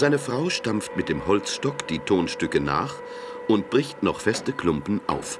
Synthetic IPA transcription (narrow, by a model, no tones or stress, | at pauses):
z̥aɪnəfʁ̥aʊʃtamftmɪt̚d̥eːmhɔlt͡sʃtɔkd̥iːtʰoːnʃtʏkəna̰ːχ | ʔʊntb̥ʁɪçtnɔχfɛstəkl̥ʊmpn̩ʔa̰ʊf